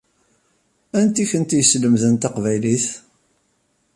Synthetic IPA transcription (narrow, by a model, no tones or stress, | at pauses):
ænt̪içənt̪jəsləmðənt̪ɑqvæjliθ